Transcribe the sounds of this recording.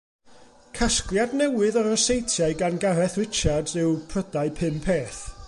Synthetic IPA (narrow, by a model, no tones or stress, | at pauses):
kʰasklˠjadnɛwɨðɔɾɔsejtʰjaɨɡanɡaɾɛθrɪt͡ʃʰadsɪwpʰrədaɨpʰɨmpʰeːθ